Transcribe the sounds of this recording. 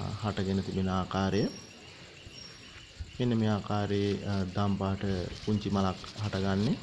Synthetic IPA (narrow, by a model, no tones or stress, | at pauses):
haʈəɡenət̪ibenəaːkaːɾejə | enːəmeːaːkaːɾeed̪ampaːʈəpuɲt͡ʃimalakhaʈəɡanːe